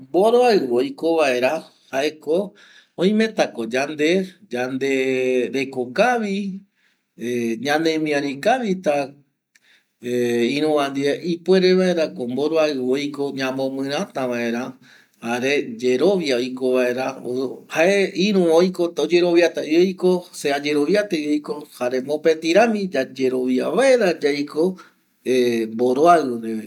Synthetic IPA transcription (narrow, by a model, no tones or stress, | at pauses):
mboɾoaɨojko̞ʋae̞ɾa | haʔe̞ko | õj̃mẽ̞t̪ako̞d͡ʒand̪e̞d͡ʒand̪e̞ɾe̞kokaʋi | ɲãnẽ̞mĩãɾĩkaʋit̪a | ĩɾ̃ũʋãnd̪ieʔipwe̞ɾe̞βae̞ɾakombo̞ɾoaɨojko̞ɲãmõmɨ̃ɾ̃ãt̪aʋae̞ɾã | haɾe̞d͡ʒe̞ɾo̞ʋjaojko̞ʋae̞ɾaohaʔeĩɾũojko̞t̪od͡ʒe̞ɾo̞ʋjat̪aojkosead͡ʒe̞ɾo̞ʋjat̪eejko̞haɾe̞mõ̞pe̞t̪iɾãmĩd͡ʒad͡ʒe̞ɾo̞ʋjaβae̞ɾad͡ʒajko̞ | emboɾoaɨɾee